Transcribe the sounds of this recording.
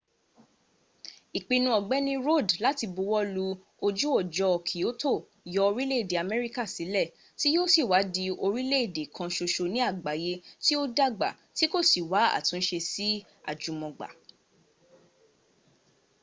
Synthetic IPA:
i˨k͡pĩ˧nũ˧˦ɔ˨ɡ͡bɛ˨˦nĩ˦ɾo˦˨dla˨˦ti˧bu˧wɔ˦lu˧ | o˧d͡ʒu˦ɔ˦˨d͡ʒɔ˧ɔ˨kʰi˨o˨˦to˦˨ | jɔ˧˦o˧ɾi˦le˦i˨de˨a˨mɛ˦ɾi˦ka˦˨si˨˦lɛ˦˨ | ti˦jo˦si˦˨wa˨˦di˧o˧ɾi˦le˦i˦˨de˨kʰã˧ʃo˧ʃo˧nĩ˦a˦˨ɡ͡ba˨je˧ti˦o˦da˦˨ɡ͡ba̰˨ | ti˦ko˦˨si˨wa˨˦a̰˦˨tũ˨˦ʃe˧si˦ | a̰˦˨d͡ʒũ˨˦mɔ̃˨ɡ͡ba̰˨

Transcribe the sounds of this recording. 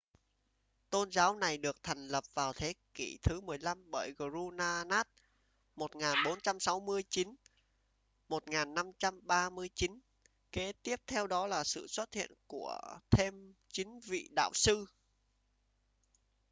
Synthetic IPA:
t̪o˧nzaː˨˦wna˨˩jɗɨ˨˩ək̚t̪ʰa˨˩ŋ̟lə˨˩p̚vaː˨˩wt̪ʰe˨˦ki˧˩t̪ʰɨ˨˦mɨ˨˩əjla˧mɓəː˧˩jɣo˨˧˩zu˧naː˧naː˦˥t̚ | mo˨˩t̚ŋaː˨˩nɓo˨˦nt͡ɕa˧msa˨˦wmɨ˧əjt͡ɕi˨˦n | mo˨˩t̚ŋaː˨˩nːa˧mt͡ɕa˧mɓaː˧mɨ˧əjt͡ɕi˨˦n | ke˨˦t̪i˦˥əp̚t̪ʰɛ˧wɗɔ˨˦laː˨˩sɨ̰˧˨swə˦˥t̚hḭ˧˨ənku˧˩ət̪ʰe˧mt͡ɕï˨˦ŋ̟vḭ˧˨ɗa̰ː˧˨wsɨ˧

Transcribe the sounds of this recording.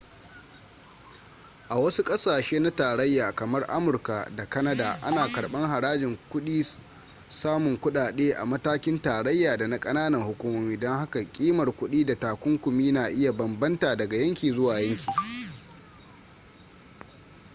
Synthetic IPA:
ʔa˨wɐ˦su˦kʼɐ˦saː˨ʃeː˦na˦taː˨ɾɐ˦jːaː˨kɐ˨mɐ˦rʔa̰˦mʊ˨rka˨da˨kɐ˦nɐ˦da̰˨ʔa̰˦naː˨kɐ˨ɽɓɐ˦ŋɦa˨ɾaː˦d͡ʒɪ˨ŋkʷʊ˦ɗiː˦ | saː˦mʊ˨ŋkʷʊ˦ɗaː˨ɗeː˦ʔa̰˨mɐ˦taː˦kʲɪ˦ntaː˨ɾɐ˦jːaː˨da˨na˦kʼɐ˦naː˦nɐ˨ŋhʊ˦kʷuː˦moː˦miː˦dɔ˦ŋha˦ka˨kʲʼiː˦mɐ˨rkʷʊ˦ɗiː˦da˨taː˨kʷʊ˦ŋkʷʊ˨miː˦naː˨ʔɪ˦ja˨bɐ˨mbɐ˦ntaː˨dɐ˨ɡa˨jɐ˦ŋkʲiː˨zʊ˦waː˨jɐ˦ŋkʲʰi̥ː˨

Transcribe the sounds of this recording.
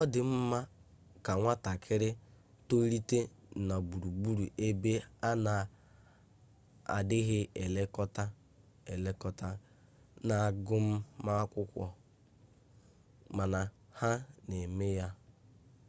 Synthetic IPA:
ɔ˦dɪ˨m̩˦ma˦ | ka˨ŋʷa˦ta˨kʰɪ˦ɾɪ˦ | to˦ɾi˦te˦˨ | na˨bu˨ɾu˨bu˦ɾu˨ʔe˦be˦a˦na˨ | a̰˨dɪ˦ɣɪ˦e˨le˦kɔ˦ta˦ | e˨le˦kɔ˦ta˦ | na˨ɡʊ˦m̩˦ma˦kʷʊ˦kʷɔ̰˨ | ma˨na˨ | ha˦ne˨me˦ja˦

